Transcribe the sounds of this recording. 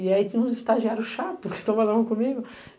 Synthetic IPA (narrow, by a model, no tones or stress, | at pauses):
ɪait̪ẽj̃ũzɪst̪aʒiaɾʊsʃat̪pʊɾket̪ɐ̃balɐ̃d̪ʊkõmiɡʊ